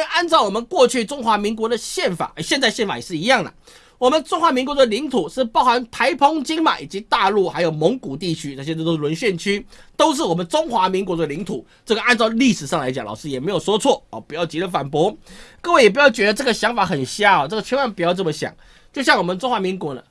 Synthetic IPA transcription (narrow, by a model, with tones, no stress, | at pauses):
a˥˧nt͡sɑ˥˩ʊwɔ˨˩mə˦nkwɔ˥˧t͡ɕʰy˥˩ʈ͡ʂʊ˥ŋxwa˧˥mi˧˥ŋk̬wɔ˧˥d̪ə˨ɕjɛ˥˩nfa̰˨˩˦ʔə˧˩ɕjɛ˥˧nt͡sa˥ɪɕjɛ˥˩nfa˨˩jɛ˨˩ʂɻ̩˥˩i˧˥jɑ˥˩ŋd̪ə̰˩ | wɔ˨˩mə˨˦nʈ͡ʂʊ˥ŋxwa˧˥mi˧˥ŋk̬wɔ˧˥d̪ə˨li˧˥ŋt̪ʰu˨˩ʂɻ̩˥˧pɑ˥˧ʊxa˧˥nt̪ʰa˧˥ɪpʰo˥ŋt͡ɕi˥ŋma̰˨˩ḭ˨˩t͡ɕi˧˥t̪a˥˧lu˥˩xa˧˥ɪjo˨˩ʊmɔ˧˥ŋku˨˩t̪i˥˩t͡ɕʰy˥na˥˩ɕjt̪o˥˧t̪o˥ʊ˧˩wə˧˥nɕɥɛ˥˨˩nt͡ɕʰy˥t̪o˥ʊʂ̬ɻ̩˥˩wɔ˨˩mə˦nʈ͡ʂʊ˥ŋxwa˧˥mi˧˥ŋkwɔ˧˥d̪ə˨li˧˥ŋt̪ʰṵ˨˩˦ | ʈ͡ʂɤ˥˩ɡə˩ʔa˥˧nt͡sɑ˥˧ʊli˥˩ʂɻ̩˨˩ʂɑ˥˩ŋla˧˥ɪt͡ɕɑ̰˨˦ŋlɑ̰˨˩ʊʂ̩˥jɛ˨˩me˧˥ɪjʊʂɔ˥t͡sʰwɔ˥˩ɔ˨˩pu˧˨˩jɑ˥˩ʊt͡ɕi˧˥ə˧fa˨˩npwɔ˧˥kɤ˥˧we˥˩ɪjɛ˨˩p̬jɑ˥˩ʊt͡ɕɥɛ˧˥d̪ə˧ʈ͡ʂɤ˥˩ɡə˩ɕjɑ˧˥ŋfa˧˥xə˨˩nɕja˥˩ɔ˨˩ʈ͡ʂɤ˥˩ɡə˩t͡ɕʰɛ˧˥wa˧˥npjɑ˥˧ʊʈ͡ʂə˥˩mə˨˩ɕjɑ̰˨˩ŋ | t͡ɕjo˥˧ʊɕjɑ˥˩ŋwɔ˨˩mə˦nʈ͡ʂʊ˥ŋxwa˧˥mi˧˥ŋkwɔ˧˥nə̰˧